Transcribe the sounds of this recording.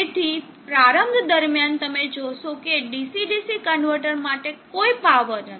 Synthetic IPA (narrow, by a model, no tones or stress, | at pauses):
et̪ʰi | pɾaɾəmɡd̪əɾmjant̪əmed͡ʒoʃokeɖisiɖisikəɳɖʋəɾʈəɾmaʈekoipaʋənə